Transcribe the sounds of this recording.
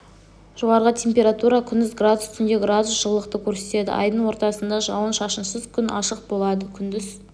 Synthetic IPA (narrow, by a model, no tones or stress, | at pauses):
ʒo̞ʁɑɾəʁət̪ʲʰe̞mpʲe̞ɾat̪uɾɑkʲʰʏnd̪ɪzɡrad̪ust̪ʰʏnd̪eɡɾad̪usʒ̥əlˠːəqt̪əkʲʰɵɾse̞t̪e̞d̪ɪ̰ʔɑjd̪əɴwo̞ɾt̪ɑsənd̪ɑʒɑwənʃɑʃənsəzkʲʰʏnʔɑʃəq̚bo̞lˠɑd̪əkʲʰʏnd̪ɪz